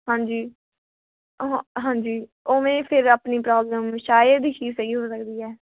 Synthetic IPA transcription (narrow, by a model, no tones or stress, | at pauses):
ɦãːɲd͡ʒiː | ɦãːɲd͡ʒiː | oːmẽːpʰɪɾaːpniːpɾaːbləmʃaːjəd̪iːʃiːsɛːɡiːɦoːsəkd̪iːɛː